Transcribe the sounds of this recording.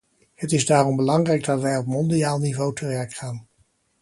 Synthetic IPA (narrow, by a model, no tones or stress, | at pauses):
hətɪzdaːrɔmbəlɑŋrɛjɡ̚dɑtʋɛjɔp̚mɔndijaːlˠnivowtəʋɛɹkχaːn